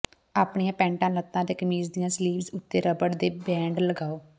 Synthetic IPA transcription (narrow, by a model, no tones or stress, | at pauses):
aːpɳijãːpɛ̃ːɳʈãːlət̪ːãːd̪eːkəmiːzd̪ijãːsliːbzʊt̪ːeːɾəbəɽd̪eːbɛ̃ːɳɖləɡaːoː